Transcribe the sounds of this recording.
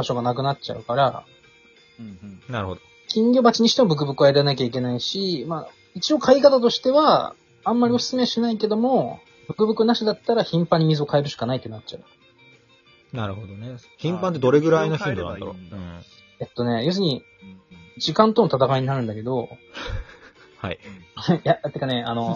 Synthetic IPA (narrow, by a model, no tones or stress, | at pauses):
baɕo̞ɡanakɯ̟nat͡ɕa̰ɯ̟kaɾa̰ | naɾɯ̟hod̪o | kʲʰĩŋɡʲo̞ːbat͡ɕiɲ̟iɕi̥t̪e̞mo̞bɯ̟k̬ɯ̟bɯ̟kɯ̟aeɾaenakʲaik̬ʲe̞naiɕimaː | it͡ɕio̞kʰaikat̪at̪o̞ɕi̥t̪e̞βãː | mːaɾʲio̞sɨ̥t͡sɨme̞ɕinaike̞d̪o̞mo̞ | bɯ̟kɯ̟bɯ̟kɯnaɕid̪at̪ːaɾaçĩmpãɲ̟ːimʲizɨo̞kʰae̞ɾɯ̟ɕi̥kanait̪ːenat͡ɕt͡ɕa̰ɯ̟ | naɾɯ̟hod̪one | çĩmpãnt̪̬ed̪o̞ɾe̞ɡɯ̟ɾainoçĩnd̪onã̰nd̪aɾõ̰ | e̞t̪ːo̞ne̞jos̬ɨɲ̟i | d͡ʑikãnt̪o̞not̪at̪akaiɲ̟inaɾɯ̟̃nd̪ake̞d̪o̞ | ha̰ijat̪ːekːane̞a̰no̞